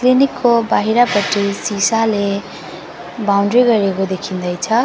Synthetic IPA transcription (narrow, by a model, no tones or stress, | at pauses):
klinikːobaɦiɾapʌʈisisale | bawɳɖriɡʌɾekod̪ekʰind̪ʌjt͡sʰʌ